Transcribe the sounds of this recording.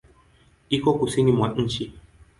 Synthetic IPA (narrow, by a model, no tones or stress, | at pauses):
ikokusinĩmw̃ãn̩t͡ʃi